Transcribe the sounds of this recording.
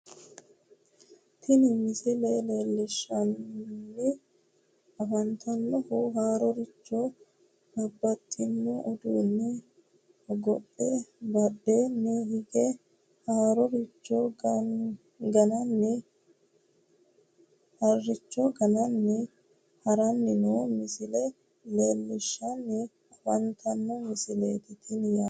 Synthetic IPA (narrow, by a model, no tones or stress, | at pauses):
t̪ʰɪnɪmɪsɪleːleːlːɪʃːɐnnːɪ | ɐfɐnt̪ʰɐnːɔhuɦaːɾɔɾɪt͡ʃːo | bɐbːɐt̪ʼːɪnːuʔɔd̪uːnːɪ | ɡɔɗːɛbɐɗːeːnːɪhɪɡɛ | haːɾɔɾɪt͡ʃːo | ɡɐnɐnːɪ | hɐrːɪt͡ʃːɔɡɐnɐnːɪ | hɐɾɐnːɪnuːmɪsɪlɛ | leːlːɪʃːɐnːɪ | ɐfɐnt̪ʰɐnːɔmɪsɪleːt̪ɪt̪ʰɪnjaː